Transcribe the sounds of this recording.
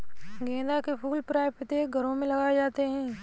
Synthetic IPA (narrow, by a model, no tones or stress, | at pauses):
ɡẽːd̪akepʰuːlpɾaːɪjpʰɪt̪eɡʱɐɾõmẽlɐɡaːed͡ʒaːt̪eɦɛ̃ː